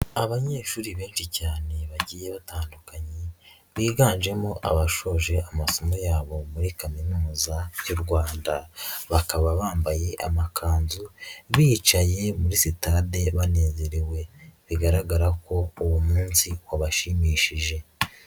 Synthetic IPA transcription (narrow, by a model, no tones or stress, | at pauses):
aβaɲe̞ːʃuːɾiβe̞ːnʃicaːne̞βaɟiːje̞βataːndukaɲe | βiːɡaːnʒe̞moʔa̰βaʃo̞ːʒe̞ʔamasomojaːβo̞muɾikaminuːzajuɾɡwaːndaβakaβaβaːmbaje̞ʔa̰makʰaːnzuβit͡ʃaje̞muɾisitaːde̞βane̞ːze̞ɾiwe̞βiɡaɾaɡaɾako̞uwumuːnsiwaβaʃimiːʃiʒe̞